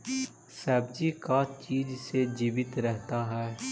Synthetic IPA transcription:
sɛːbd͡ʒikat͡ʃiːd͡ʒsed͡ʒiːʋɪt̪ɾɛɦt̪aɦɛː

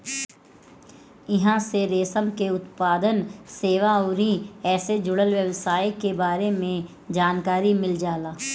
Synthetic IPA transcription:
ɪɦãseɾeːsəmkeʊt̪paːd̪ənseːʋaɔːɾĩɛːsed͡ʒʊɽəlʋjəʋsaːjkebaːɾemẽ | d͡ʒaːnkaːɾimɪld͡ʒaːlaː

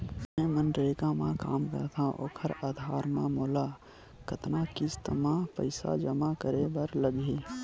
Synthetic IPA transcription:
ɛ̃mənʈɾekãmãka̰ːmkə̰ɾt̪ʰãʔo̰ːkʰəɾaːd̪ʱaːɾmã̰moːla | kət̪nakɪst̪əmãpə̰ɪsa̰d͡ʒəmakəɾebəɾləɡeː

